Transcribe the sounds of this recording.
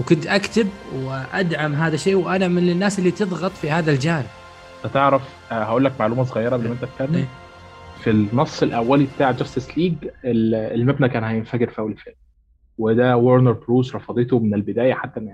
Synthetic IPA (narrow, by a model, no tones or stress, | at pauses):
wkʊnt̪ʔækt̪ɪbwɪʔad̪ʕamɦaːðæʃeːwʔænamɪnɪnːaːsʔelːit̪ɨðˤɣɑt̪ˤfihaːðald͡ʒaːnɪb̥̚ | næt̪eʕɾæf | hæʔuːlːæk̚maʕluːmæsˤoɣɑjːɑɾˤɑbelʔmæʔent̪æt̪̚kænːem | finːɑsˤːelʔæwːælibt̪aːʕd͡ʒæst̪ɪsliːɡelelmæbnækæːnhæjenfæɡeɾfiʔæwːlfelm | wed̪æwoɾneɾˤbɾuːʃɾˤɑfɑd̪ˤet̪omɪnelbɪd̪æːjæħat̪ːæm